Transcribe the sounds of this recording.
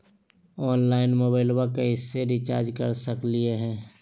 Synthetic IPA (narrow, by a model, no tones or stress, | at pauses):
ɔːnlaːɪnmoːbaːɪlwakeɪsːeɾɪt͡ʃa̰ːɾd͡ʒkə̰ɾsəklieɦɛ̃ː